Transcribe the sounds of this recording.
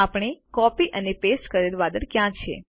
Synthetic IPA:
apəɽ̃ekɔpiʔənepesʈkəɾelʋad̪əɾkjãt͡ʃʰḛ

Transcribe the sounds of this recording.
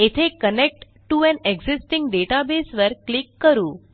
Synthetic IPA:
et̪ʰekənek̚ʈ | ʈːuɛ̃neɡzɪsʈɪ̃ŋɡɖeʈabesʋəɾklɪkːəɾũː

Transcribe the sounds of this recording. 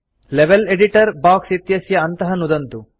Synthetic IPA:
leʋeleɖiʈɐɾbaːksit̪jɐsjɐːnt̪ɐɦɐnud̪ɐnt̪u

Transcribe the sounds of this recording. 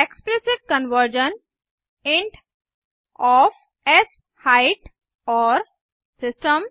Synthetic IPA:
eksplɪsɪʈ̚kə̃nʋəɾd͡ʒə̃n | ẽɳʈ | ɔːf | es | haɪʈ | ɔːɾ | sɪsʈə̃m

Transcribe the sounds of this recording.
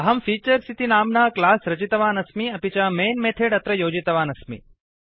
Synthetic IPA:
ɐɦɐmfiːt͡ʃəɾsit̪inaːmnaklaːsɾɐt͡ʃit̪ɐʋaːnɐsmiɐpit͡ʃameːnmeːʈ̪ʰeɽɐt̪ɾəjoːd͡ʒit̪ɐʋaːnɐsmḭ

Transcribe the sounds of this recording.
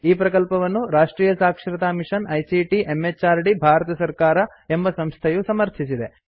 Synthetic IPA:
iːpɾɐkɐlpɐʋɐnːuɾaːʂʈɾiːjɐsaːkʂɾɐt̪aːmiʂɐnɐjsiʈiʔe̞mːet͡ʃːaːɾɖibʱaːɾɐt̪ɐsɐɾkaːɾɐ | e̞mbɐsɐmst̪ʰɐjusɐmɐɾt̪ʰisid̪e̞

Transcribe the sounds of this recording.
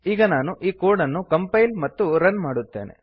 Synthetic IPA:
iːɡɐnaːnuʔiːkoːɾɖɐnːukɐmpɐjlmɐt̪ːuɾɐnmaːɽut̪ːe̞̰ːnḛ

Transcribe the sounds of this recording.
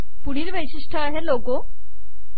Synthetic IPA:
puɽ̤iːɾʋəjɕiʂʈʰəaɦeloɡo

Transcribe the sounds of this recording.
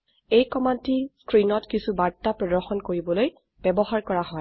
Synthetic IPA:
ejkɔmantiskɹinɔtkisubaɹtapɹɔdɔɹxɔnkoɹibɔloj | b̥ɛbɔɦaɹkɔɹaɦɔj

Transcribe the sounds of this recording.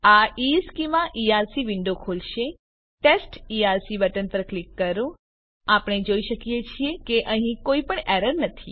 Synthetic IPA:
aiskimãʔiaɾsiʋɪ̃ɳɖokʰolʃe | ʈesʈiaɾsiʋəʈənpəɾklikːəɾũ | apəɳ̃ed͡ʒoiʃəkjet͡ʃʰiekeʔəɦĩkoipəɳɛɾəɾnət̪ʰḭ

